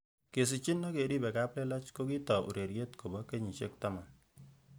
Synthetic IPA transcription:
ke˨sɪ˨t͡ʃɪ˦nːɔ˦ke˨ɾi˦bɛ˨ka˦plɛ˦la˦t͡ʃko˦ki˦tɔ˨ʔṵ˨ɾe˨ɾje˦tko˨bɔ˦ke˦ɲi˨t͡ʃe˦k̚tama˨n

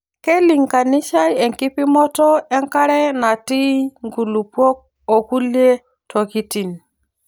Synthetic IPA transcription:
ke˦li˨ŋka˨ni˦ʃa˦je˨ŋki˦pi˦mɔ˦tɔ˦e˦ŋka˦ɾe˦na˨ti˦ŋɡu˨lu˨pwo˦k̚ | o˨ku˦lje˦ | tʰo˨ki˦ti˨n

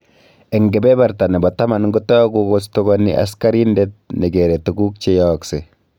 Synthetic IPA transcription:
e˨ŋɡe˨bɛ˦ba˨ɾta˨ne˨bɔ˨ta˦ma˨nŋɡu˦tɔ˦ɡu˦ɡostoɡɔnḭ˦ʔa̰˦ska˦ɾindet̚ne˨ɡe˨ɾe˨tuɡu˦k̚t͡ʃe˦jɔkse

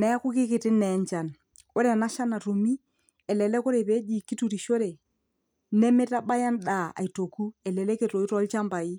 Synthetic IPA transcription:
nɛ˨a˦kʊ˦kɪ˦kɪ˨tɪ˦nɛ˨˦ɲt͡ʃa˨n | ʊ˦ɾɛ˨na˦ʃa˦na˨to˨mi˦ | ɛ˨lɛ˨lɛ˦kʊ˦ɾe˨pɛ˦d͡ʒi˨ki˦tu˨ɾi˨ʃo˦ɾe˨ | nɛ˦mɪ˦ta˦ɓa˦ja˦nda˨a̰˨i˨to˨ku˦ɛ˨lɛ˨lɛ˦ke˨to˨i˦tɔ˦lt͡ʃa˦mba˨i˦

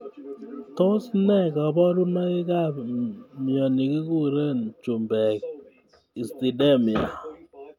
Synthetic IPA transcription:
to˦snɛ˦˨kɔ˨bɔ˦ɾu˦nɔ˦i˦ka˦˨pmjɔ˨ni˨ki˦ku˦ɾe˦nt͡ʃu˨mbɛ˨k | i˨sti˨de˦mi˨a˨

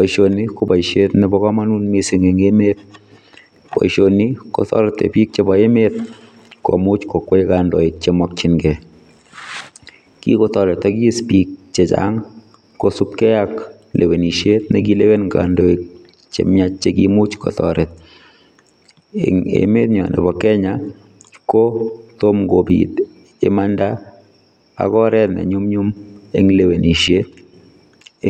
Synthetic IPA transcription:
pɔ˨iʃo˨ni˦ko˦ba˨iʃet̪nɛbɔ˦kɔ˦ma˦nunmisɪ˨ŋe˨ŋemet̪̚ | pɔ̰˨iʃonikɔ˨tɔ̰˦ɾɛt̪ːḛ˨pi˦k̚t͡ʃe˦bɔ˨e˦met̚ | kɔ̰˨mu˦t͡ʃkɔ˨kːɔ˦i˦ka˨ndo˨ik̚t͡ʃemɔk̚t͡ʃinɡɛ | kḭ˦kɔ˦tɔ˨ɾɛ˨t̪ːa˦ki˦i˦spik̚t͡ʃe˨t͡ʃa̰ŋ | kosup̚kɛ˦jak | lʔe˨we˨ni˨ʃje˦t̪nɛ˦ɡi˦le˦we˦nŋka̰˨ndo˨e˨k̚ | t͡ʃḛ˨mɲa˦t͡ʃːe˦ɡi˦mu˦t͡ʃkɔ̰˨t̪ɔ̰ɾɛ˨t̪̚ | ŋḛ˨me˦t̪ɲa˨nɛ̰˨bɔ˨kɛ˦ɲa | ko˦t̪o˦mɡo˨bḭ˨t̪ | ɪ̰˦ma˦nda˦ | a̰˨kɔ˦ɾɛ˦t̪nɛ̰˨ɲʊ˦mɲʊ˦me˦ŋle˨we˨ni˨ʃe˦t̪̚

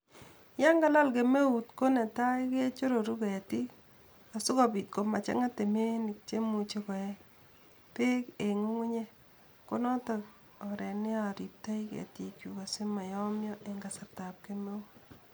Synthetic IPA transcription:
ja˦ŋɡa˦la˦lke˨me˦u˨tko˦nɛ˨ta˦ike˦t͡ʃo˦ɾo˨ɾu˦kɛ˨ti˦ | a˨sʊ˦ka˨bi˨t̚ko˨ma˨t͡ʃa̰˦ŋa˦te˨me˦nɪ˨k̚t͡ʃe˦mu˨t͡ʃe˦kɔ˨ɛ˦ | te˦ke˨ŋu˦ŋu˦ɲe˦ | ko˦nɔ˦ta˨k | ɔ˨ɾɛ˨nɪ˦a˨ɾi˨p̚ta˦i˦kɛ̰˨tikju˨ka˨se˦ma˨jɔ˦mjɔ˦ʔe˨ŋɡa˨sa˨ɾta˨p̚ke˦me˦u

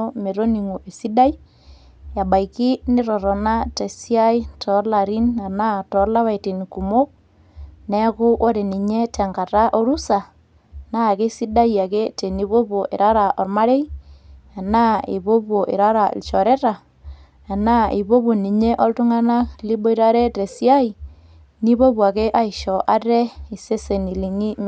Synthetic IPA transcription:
o˦me˨ɾo˦ni˨ŋo˨ʔe˨si˦da˦j | ja˨ba˨iki˦nɪ˦ɾɔ˨ɾɔ˨na˦te˨si˦a˦jtʰɔ˨˦la˨ɾi˦na˨na˦tɔ˨˦la˦βa˨jti˨nku˨mo˦k̚ | nɛ˦ko˦ʔo˦ɾe˨ni˨ɲe˦tʰɛ˨ŋka˨ta˦ʔo˦ɾu˦sa˨ | na˦˨ke˦si˦da˦ja˨ke˦te˨ni˨˦bo˦bo˨ʔḛ˨ɾa˦ɾa˨ʔɔ˨ɾma˦ɾe˦ | a˨na˦ḛ˨βo˦po˨ʔɪ̰˨ɾa˦ɾa˨ɪ̰˨lt͡ʃɔ˨ɾɛ˦ɾa˨ | a˨na˦e˨bo˦bo˨ni˨ɲe˦ʔɔ˦ltʊ˦ŋa˦na˦kli˦bɔ˦i˦ɾa˦ɾe˦te˨si˦a˦i˨ | ni˦βo˦pwa˨ke˦ʔa˦ɪ˨ʃɔ˨ʔa˦tɛ˦ɪ˨se˦se˨ni˨li˨ŋi˦m

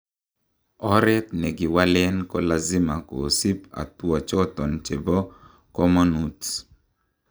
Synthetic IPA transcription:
ɔ˦ɾɛ˦t̪nɛ˨ɡɪ˨wa˦lɛ˦nkɔ˦la˨zɪ˦ma˨ko̰˨si˦pa̰˨t̪wɔ˨t͡ʃɔ˦t̪ɔ˨nt͡ʃe˨bɔ˦ | kɔ˦mɔ˦nu˨t

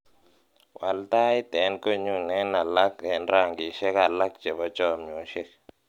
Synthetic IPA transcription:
wa˨lta˦ɪ˦t̪ɛ˨˦nko˦ɲu˦˨ŋnɛ˦na˨la˦kɛ˨nɾa˦˨ŋɡi˨ʃɛ˦ka˨la˦k̚d͡ʒe˨bɔ˦t͡ʃɔ˦˨mɲ˨o˨ʃe˦k

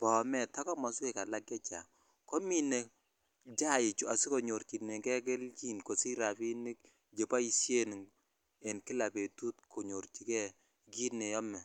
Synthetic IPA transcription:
pɔ˨mɛ˦˨ta˦kɔ˦mɔ˨ske˨ka˨la˦kɛ˦t͡ʃa̰˨ŋ | kɔ˦mi˦ne˨ | d͡ʒa˦i˨t͡ʃu˨a˨si˦ko˨ɲo˨ɾt͡ʃi˨tnɛ˨kɛ˦ke˦lki˦nko˨si˦ɾa˨pi˦ni˦k | d͡ʒe˨pa˦i˨sje˦n˨ | e˨nkɪ˦la˨pe˨tu˦t̚kʰo˨ɲo˨ɾt͡ʃi˨kɛ˦ | ɡi˦tne˨jɔ˦mɛ˨

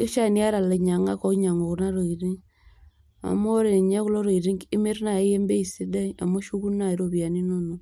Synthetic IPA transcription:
i˦ʃa˦ni˦a˦ɾa˨le˨ɲa˨ŋa˦kɔ˦kɲa˨ŋo˨kna˦ɾo˨i˨ɾi˦ŋ | a̰˨mo˦ɾe˨ɲɛ˦ku˦lo˦ɾo˨i˨ɾi˦ŋi˦me˦rna˨e˦je˦mbe˦i˨si˦da˦a˨mo˦ʃu˦ku˦na˨i˦ɾo˦pia˨ni˦no˦no˨

